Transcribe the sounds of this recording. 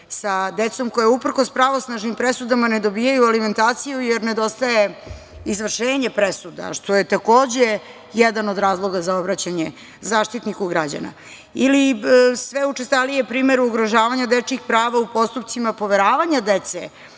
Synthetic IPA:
sad̪et̪so̞mko̞jeupr̩kospɾaʋo̞snaʒnimpɾesud̪amaned̪o̞biːjajualime̞nt̪aːt̪sijujeɾned̪o̞st̪aje̞ | izʋr̩ʃeːɲepɾesud̪a̰ʃt̪o̞jet̪ako̞ːd͡ʑe | jɛd̪ano̞d̪ɾaːzlˠo̞ɡazaobɾat͡ɕaɲe | zaːʃt̪it̪nikuɡɾad͡ʑa̰na̰ | ilisʋeut͡ʂest̪alijepɾiːmeɾuːɡɾoʒaːʋaɲad̪et͡ʂixpɾaːʋaupo̞st̪upt̪simapo̞ʋeɾaːʋaɲad̪et̪sḛ

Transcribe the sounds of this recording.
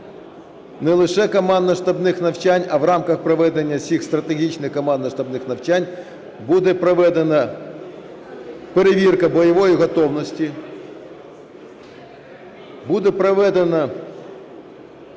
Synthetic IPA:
nɛlˠɪʃɛkɔmɑnd̪ɐʃt̪ɐbnɪxnɐwt͡ʃanʲɐʋrɑmkɐxpɾɔʋɛd̪enʲːɐsʲixst̪ɾɐt̪eɦʲit͡ʃnɪxkːɔmɑnd̪ɐʃt̪ɐbnɪxnɐwt͡ʃanʲ | bud̪ɛpɾɔʋɛd̪enɐ | peɾeʋʲirkɐbɔjɐʋɔjiɦɔt̪ɔwnɔsʲtʲi | bud̪ɛpɾɔʋɛd̪enɐ

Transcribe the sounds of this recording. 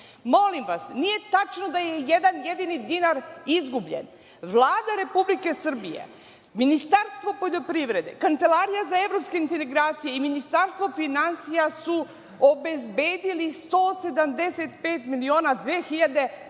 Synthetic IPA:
mo̞limʋasnije̞t̪at͡ʃno̞d̪ajejed̪anjed̪inid̪inaɾizɡubʎe̞̰n | ʋlˠaːd̪aɾe̞publike̞sr̩bijḛ | minist̪aɾst̪ʋo̞po̞ʎo̞pɾiʋɾe̞d̪e̞̰kant̪se̞laːɾijazae̞vɾopskeint̪eeɡɾaːt̪sijeiminist̪aɾst̪vʋo̞finansijasu | obe̞zbeːd̪ilist̪oːse̞d̪amd̪e̞set̪peːt̪milio̞ːnad̪ʋeːxiʎad̪e̞

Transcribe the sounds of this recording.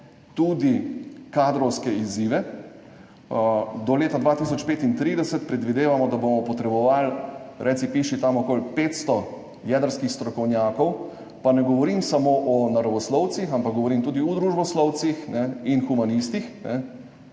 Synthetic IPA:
t̪uːd̪ikaːd̪ɾɔwskɛiziːʋɛ | d̪ɔleːt̪ad̪ʋaːt̪is̬ɔt͡ʃpeːt̪int̪ɾiːd̪ɛsɛt̪pɾɛd̪ʋid̪eːʋamɔd̪abomɔpɔt̪ɾɛbɔʋalɾʔɛt̪sipiʃit̪amɔkoːlpeːt̪st̪ɔ | jɛːd̪əɾskixst̪ɾɔkɔwnʲjaːkɔw | panɛɡɔʋɔɾimsamoːʔɔnaɾɔʋɔslɔw̪sixampaɡ̚ɡɔʋɔɾimt̪uːd̪iɔd̪ɾuʒbɔslɔwt̪sixnɛinxumanist̪ixnɛ

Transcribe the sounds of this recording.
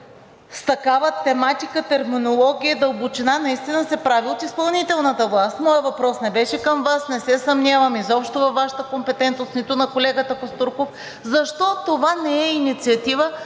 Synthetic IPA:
st̪ɐkavət̪ɛmat̪ikət̪ɛɾminolˠɔɡʲijəd̪ɐobut͡ʃɛnanɐist̪inəsɛpɾaviot̪ispɐlˠnit̪ɛlˠnət̪əvlˠast̪mɔjəvɐpɾɔsnɛbɛʃɛkəmvasnɛsɛsɐmnʲavɐmizɔpʃt̪ovɐfvːaʃɐ̥t̪əkompɛt̪ɛnt̪nosnit̪ʊnɐkolɛɡət̪əkost̪uɾkof | zɐʃt̪ɔt̪ovanɛɛinit̪siɐt̪ivə

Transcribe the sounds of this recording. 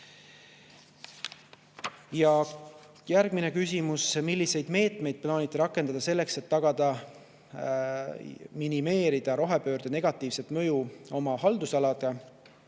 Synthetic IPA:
jɑ | jæɾɡ̥mine̞kysʲimusmilʲːise̞jd̪me̞ːt̪me̞jd̪̥̚plɑːnit̪ːˑeɾɑkːˑe̞nd̪ɑd̪̥ɑse̞lːe̞kse̞t̪ːɑɡ̥ɑd̪̥ɑ | minime̞ːɾid̪̥ɑɾo̞ɦepø̞ːɾd̪̥ene̞ɡ̥ɑt̪ːˑiːvse̞t̪mɤ̞juo̞mɑɦɑld̪usɑlɑd̪̥ɑ

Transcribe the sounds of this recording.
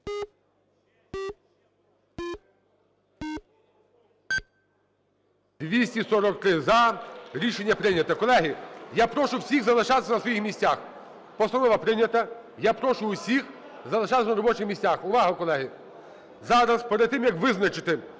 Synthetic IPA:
d̪ʲʋʲisʲtʲisɔɾɔk̚t̪ɾɪzɐɾʲiʃenʲːɐpɾɪnʲɐt̪ɐkɔlˠɛɦɪjapɾɔʃʊwsʲiɣzɐlˠɪʃɑt̪ɪ̥sʲɐnɐsʋɔjixmʲisʲax | pɔst̪ɐnɔʋɐpɾɪnʲɐt̪ɐ | japɾɔʃʊwsʲix | zɐlˠɪʃɑt̪ɪsʲɐnɐɾɔbɔt͡ʃɪxmʲisʲtʲaxʊʋɑɦɐkɔlˠɛɦɪ | zɑɾɐspeɾɐd̪t̪ːɪmjɐkʋɪznɐt͡ʃɪt̪ɪ

